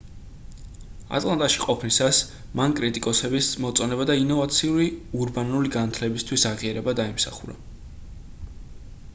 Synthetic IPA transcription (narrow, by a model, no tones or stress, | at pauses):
a̰t̪ʼlˠant̪ʼaʃiqʼɔpʰnisas | mankʼɾit̪ʼikʼɔsɛbismɔt̪sʼɔnɛbad̪ainɔvat̪sʰiuɾiuɾbanuliɡanat̪ʰlɛbist̪ʰwisaʁiaɾɛbad̪aimsa̰χuɾa̰